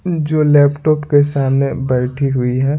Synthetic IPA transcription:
d͡ʒoːlɛːpʈɔːpkesaːmnebɐɾʈʰiɦʊiɦɛː

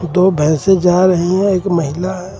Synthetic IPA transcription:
d̪oːbʱɛ̃ːsed͡ʒaːɾɐɦeɦɛ̃eːkməɦɪlaɛ

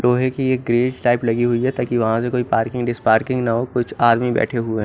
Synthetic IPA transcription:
loːɦekieːkɡɾeːd͡ʒʈaːɪplɐɡiɦʊid͡ʒɛt̪aːkiʋɐɦãsekoːipaːɾkɪ̃ŋɡɖɪspaːɾkɪ̃ŋɡnɐɦokʊt͡ʃʰaːɾmibɛ̰ːʈʰeɦueɦɛ̃

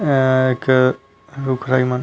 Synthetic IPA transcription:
ek | ɾukʰɾajman

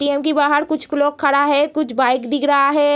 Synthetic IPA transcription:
ʈiɛmkibaːɦəɾkʊt͡ʃʰfʊloːkʰːɐɽaɦɛkʊt͡ʃʰbaːɪkd̪ɪkɾɐɦaɦɛː

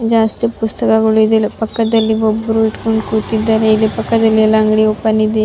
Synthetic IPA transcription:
d͡ʒaːst̪ipust̪ɐkɐɡɐɭuid̪epɐkːɐd̪ɐlːiʋobːɾuiʈkoɳɖkut̪id̪ːaːɾeilepɐkːɐd̪ɐlːiɐlːɐɐŋɡɽiopɐnid̪e

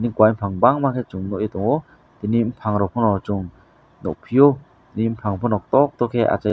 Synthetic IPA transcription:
dnikwajmpʰaŋbaŋmakʰet͡ʃuŋnɔʔjet̪ɔŋɔ | d̪̥inim̩pʰaŋɾɔpʰɔnɔt͡ʃuŋ | nɔ̰ʔpʰijɔ | dnimpʰaŋpʰɔnɔk̚tɔk̚t̪ɔkʰea̰t͡ʃa

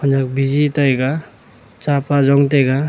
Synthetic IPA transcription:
ɔnak̚bizitajɡa | t͡ʃapazɔŋtajɡa

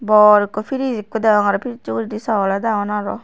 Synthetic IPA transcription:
bɔɾikɔpʰiɾizikːud̪aŋaɾɔpʰiɾit͡ʃuɾidisaladaŋɔnaɾɔ̰

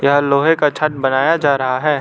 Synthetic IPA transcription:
jɐɦloːɦẽkat͡ʃʰɐʈ̚bɐnaːjad͡ʒaːɾɐɦaɦɛː

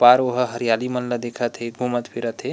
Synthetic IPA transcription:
paɾoɦəɦəɾijalimənləd̪ekʰət̪ʰɦeɡʱumət̪pʰiɾət̪e

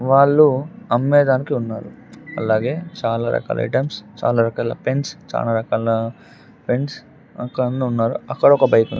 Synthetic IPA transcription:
ʋaːɭːuɐmːɛːd̪aːnikiunːa̰ːɾu | ɐlaːɡe̞ːt͡ʃaːlaːɾɐ̰ka̰ːlɐ̰ɐ̰jʈɐmst͡ʃa̰ːlaːɾɐkaːlɐ̰penst͡ʃa̰ːlaːɾɐkaːlɐ | pe̞ns | ɐkːɐɽɐnuunːaːɾuɐkːɐɽɐɔkɐbɐjkund̪i

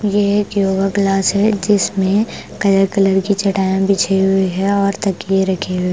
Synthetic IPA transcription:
jeeːkjoːɡəklaːsɦɛd͡ʒɪsmẽkɐləɾkɐləɾkit͡ʃɐʈaːjãbʱit͡ʃʰeɦʊeɦɛɔːɾt̪ɐkieɾɐkʰeɦʊe

